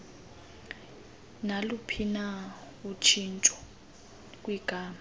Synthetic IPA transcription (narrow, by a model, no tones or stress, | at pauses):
nalupʰina | ut͡ʃʰint͡ʃʼɔ̥ | k̬ʼwiɡ̥ʱaːma